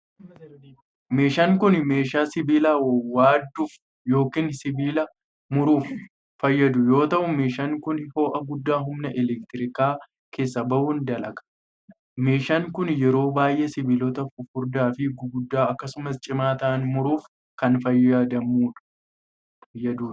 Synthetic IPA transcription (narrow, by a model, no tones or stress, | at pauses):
me̞ːʃaːŋkʊnme̞ːʃaːsɪbiːlɐwaːd̪ːuːf | jo̞ːkiːnsɪbiːlɐ | mʊɾuːfː | ɐjːɐd̪ʊjo̞ːt̪ɐʔʊme̞ːʃaŋkʊnho̞ːʔɐɡʊd̪ːaːɦʊmnɐʔɛlɛkt̪ɪɾɪkaː | kʰe̞ːsːɐbɐʔʊnd̪ɐlɐkʼɐ̥ | me̞ːʃaːŋkʊnjɛɾo̞ːbaːjʔeːsɪbɪlɔt̪ɐʊfʊɾd̪aːfɪɡɡʊd̪ːaːɐkːɐsʊmɐst͡ʃʼɪmaːt̪ɐʔɐnmʊɾuːf | kɐnfɐjːaːd̪ɐmuːᶑɐ̥ | jːɐd̪u̥ː